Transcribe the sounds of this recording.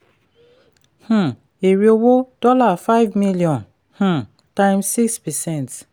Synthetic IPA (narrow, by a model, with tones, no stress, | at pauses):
h̩˨ | e˨ɹi˦o˦wo˦d̥ɔ˦la˨fa˦ɪvmi˦liɔ̃˨n | h̩˦˨ | tã˦ɪ̃msi˦kspɛ˨sɛ̃˦˨nt